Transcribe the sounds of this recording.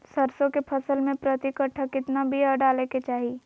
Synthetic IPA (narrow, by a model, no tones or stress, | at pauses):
səɾsõkepʰɐsəlmẽpɾət̪ɪkəʈʰəkɪt̪nabʱiəɖaːleket͡ʃaːɦi